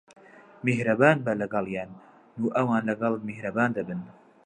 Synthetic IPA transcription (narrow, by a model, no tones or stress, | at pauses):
meɦɾɐbaːnbɐlɐɡɐlˠjaːnː | uːʔɐwaːnlɐɡɐlˠmehɾɐbaːnd̪ɐbɨn